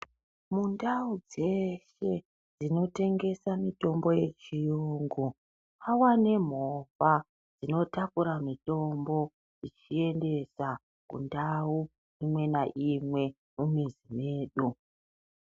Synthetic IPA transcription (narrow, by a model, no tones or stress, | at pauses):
mundaud͡ze̞ʃe̞ | d͡zino̞te̞ŋɡe̞samito̞mbo̞je̞t͡ʃijuŋɡu | awane̞m̤ova | d͡zino̞takuɾamito̞mbo̞ | d͡zit͡ʃie̞nde̞sa | kṵndau | imwe̞naʔimwe̞ | mumizime̞ːɗu